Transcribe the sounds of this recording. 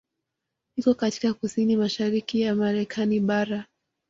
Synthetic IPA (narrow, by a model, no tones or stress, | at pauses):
nikɔkati̥kakusinimaʃaɾikijamaɾɛkʰaniɓaɾa